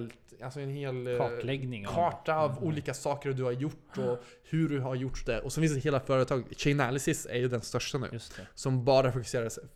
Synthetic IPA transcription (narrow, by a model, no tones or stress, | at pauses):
lalsɔɛnheːlːlɛɡnɪŋkʰɑːʈaavuːliːkasɑːkəɾd̪ɵhaɾjʊʈːɔ | hɵɖɵɦaɾjʊʈːd̪ɛʔɔsɔmvɪːs̬aɦeːlafœːɾət̪ʰɑːɡɕɛnælɪsɪsæ̰ɾjɵd̪ɛnst̪œʂʈanʉ̰ːsɔmbɑːɾafʊkɵ̥seːɾas